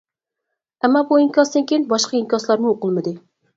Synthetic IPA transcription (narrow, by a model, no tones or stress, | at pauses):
ɛmːɑbuiŋkʲɑsd̪ɪŋkʲejnbɑʃqɑimkʲɑslˠɑɾmʊoqɨlˠmɨd̪ɪ